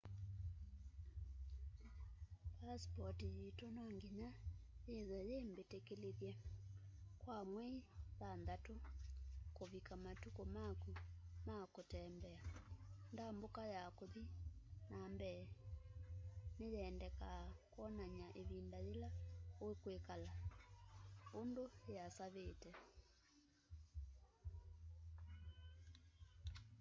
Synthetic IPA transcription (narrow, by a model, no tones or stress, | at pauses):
paspɔtijetonɔŋɡiɲajeðajembetekeleðjɛ | kwamwɛiðandato | koβikamatukomakumakotɛmbɛandambokajakoðinambɛː | nejɛːndɛkakwɔnaɲaʔeβindaðelaoekwekala | ondoeasaβetɛ